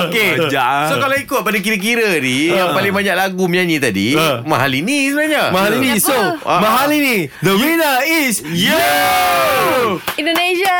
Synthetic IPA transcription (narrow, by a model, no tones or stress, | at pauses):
oked͡ʒasokaloikʊt̪̚padak̬iɾək̬iɾənijaŋpalɪŋbaɲaʔlaɡuməɲaɲĩt̪adḭmaɦalinisəbənaɲamaɦalinĩsomaɦalinid̪əwinəisju | ĩndoneʃa